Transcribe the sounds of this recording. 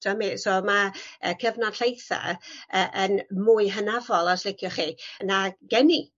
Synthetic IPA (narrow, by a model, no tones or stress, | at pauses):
d̥ɔmisɔːmaəkʰəvnḁɬʰejθa̰əʔənmuːɨɦənavɔlˠasl̥ɪkʰjɔχiːnaɡɛni